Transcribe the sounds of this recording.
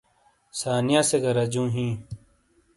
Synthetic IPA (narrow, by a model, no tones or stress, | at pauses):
saːnijãːseɡɐɾɐd͡ʑũːɦĩː